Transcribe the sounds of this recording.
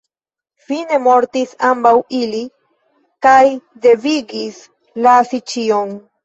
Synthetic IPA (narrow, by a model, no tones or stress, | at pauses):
fine̞mo̞ɾt̪isambawili | kajd̪e̞viɡis | lasit͡ʃion